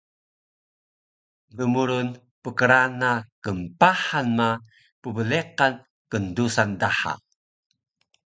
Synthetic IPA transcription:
dəmuɾun | pəkəɾanakəmpaħanma | pəbəleqan | kəndusandaħa̰

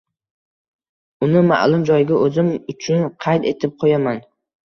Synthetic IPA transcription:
ʊnɪma̰ʔlˠʊmd͡ʒɒjɪɡʲaʔɵzɪmʊt͡ʃʰʊnqʰɑjt̪e̞t̪ʰɪp̚qʰojaman

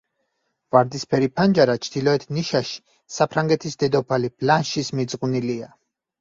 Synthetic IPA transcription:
vaɾd̪ispʰɛɾipʰand͡ʒaɾat͡ʃʰd̪̥ilɔɛt̪ʰniʃaʃi̥ | sapʰɾaŋɡɛt̪ʰisd̪ɛd̪ɔpʰalib̥ʰlanʃismid̪zʼqʼunilia

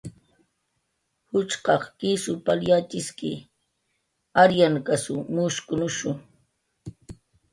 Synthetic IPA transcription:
hʊt͡ʃqɑχkɪsʊpaljat͡ʃɪskɪ | aɾjaŋkasʊmʊʃkʊnʊʃʊ

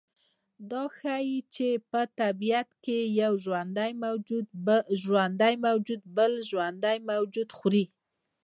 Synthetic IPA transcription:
d̪ɑxajit͡ʃepət̪abijat̪kejawʒwand̪ajmaw̪ | ʒwand̪ajmawd͡ʒud̪bəlʒwand̪ajmawd͡ʒud̪xɾi

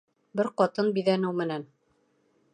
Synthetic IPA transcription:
bɘɾqɑt̪ɤnbiðænɘwmɘ̆næn

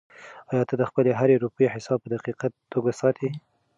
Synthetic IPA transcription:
ɑjɑt̪ad̪əxpəleɦaɾeɾupəjeħɪsɑb̚pəd̪aqiqa | oɡasɑt̪ʰi

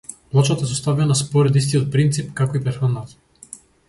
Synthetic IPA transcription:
plˠɔt͡ʃat̪aɛsost̪avɛnaspoɾɛd̪ist̪ijot̪̚pɾint̪sipkakoipɾɛɾxanːat̪

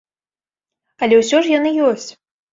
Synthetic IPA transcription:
ɐlʲɛwsʲɔʐjanɨjɔsʲt͡sʲ

